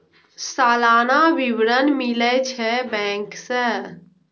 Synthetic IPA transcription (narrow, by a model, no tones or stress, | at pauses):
saːlaːnaʋiʋɾənmilet͡ʃʰɛbɛ̃ːŋkse